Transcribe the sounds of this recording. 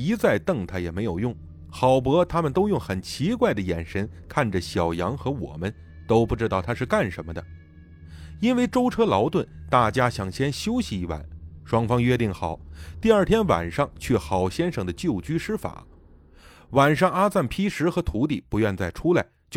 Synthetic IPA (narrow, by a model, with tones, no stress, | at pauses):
i˧˥t͡sa˥˩˧ɪt̪ɤ˥˧ŋt̪ʰa˥˩jɛ˨˩me˧˥ɪjo˨˩ʊjʊ˥˩ŋ | xɑ˨˩ʊp̬ɤ˧˥t̪ʰa˥mə˨nt̪o˥ʊjʊ˥˩ŋxə˨˩nt͡ɕʰi˧˥kwa˥˩ɪd̪ə˩jɛ˨˩nʂə˧˥nkʰa˥˩nʈ͡ʂə˩ɕjɑ˨˩ʊjɑ˧˥ŋxɤ˧˥wɔ̰˨˩mə˦n | t̪o˥ʊpu˥˩ʈ͡ʂɻ̩˥t̪ɑ˥˩ʊt̪ʰa˥ʂɻ̩˥˧ka˥˩nʂə˧˥nmə˧d̪ə˩ | i˥nwe˥˩ɪʈ͡ʂo˥ʊʈ͡ʂʰɤ˥lɑ˧˥ʊt̪wə˥˩nt̪a˥˩t͡ɕja˥ɕjɑ˨˩ŋɕjɛ˥nɕjo˥ʊɕi˧i˧˥˩wa̰˥˩˦nʂwɑ˥ŋfɑ˥ŋɥɛ˥˧t̪i˥˩ŋxɑ˨˩˦ʊt̪i˥˧ə˞˥˩t̪ʰjɛ˥nwa̰˨˩nʂɑ˥˩ŋt͡ɕʰɛ˥˩xɑ˨˩ʊɕjɛ˥nʂɤ˨˩ŋd̪ə˦t͡ɕjo˥˩ʊt͡ɕy˥ʂɻ̩˥fa̰˨˩˦ | wa˨˩nʂɑ˥˩ŋa˥t͡sa˥˩npʰi˥ʂɻ̩˧˥xɤ˧˥t̪ʰu˧˥t̪i˥˩pu˧˥ɥɛ˥˧nt͡sa˥˩ɪʈ͡ʂʰu˥la˧˥ɪt͡ɕ